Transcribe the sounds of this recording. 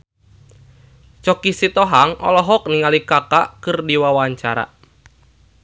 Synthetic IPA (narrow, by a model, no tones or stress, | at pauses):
t͡ʃɔkisit̪ɔɦaŋɔ̰lɔɦɔk̚niŋalikakakɨrdiwawaɲt͡ʃaɾa̰